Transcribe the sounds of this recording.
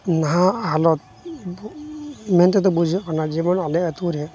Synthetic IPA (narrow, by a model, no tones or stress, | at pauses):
naɦaɦalɔt̪̚ | mɛnt̪et̪̬ɔbud͡ʒʱikʰɔnad͡ʒimɔnalɛɛt̪uɾɛ